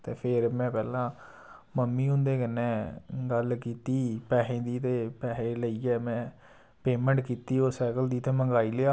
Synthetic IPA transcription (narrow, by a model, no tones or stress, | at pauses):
t̪eːpʰɪɾmɛ̃ːpɛːlãː | məmːiːʊ̃nd̪eːkənːɛ̃ːɡəlkiːt̪iːpɛːɦẽːd̪iːt̪eːpɛːɦẽːləiːɛːmɛ̃ː | peːmɛ̃ːɳʈkiːt̪iːoːsɛːkəld̪iːt̪eːməŋɡaːiːleaː